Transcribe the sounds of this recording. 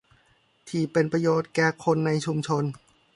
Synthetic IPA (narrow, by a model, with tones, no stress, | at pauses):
t̪ʰiː˨˩pe˧npɾa˧joː˨˩t̪̚kɛː˧˩kʰo˧nːa˧jt͡ɕʰu˧mt͡ɕʰo˧n